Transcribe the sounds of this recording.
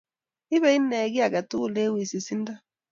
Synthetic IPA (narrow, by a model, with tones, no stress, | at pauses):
i˦βɛ˦i˦nɛ˨ɣi˦a˨ɣa˨tu˦˨le˦wi˨si˨si˦nda˦